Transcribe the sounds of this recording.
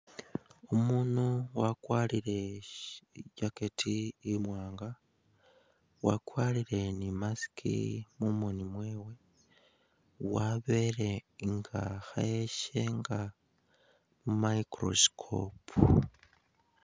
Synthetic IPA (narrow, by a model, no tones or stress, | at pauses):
omunowakwaːliɾe̞ | ɟaketʰiːmwaːŋɡa | wakwaliɾe̞nimasi̥kʰḭmumunimwe̞ːwe̞ | waβe̞ɾe̞ŋɡaxaeʃe̞ŋɡa | mumaikɾo̞̰skʰo̰pʰu